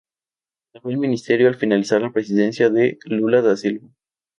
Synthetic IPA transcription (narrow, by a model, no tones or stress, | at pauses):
safwelmĩnist̪e̞ɾjoalfinalisaɾlapɾesiðe̞nsjaðelulaðasilβo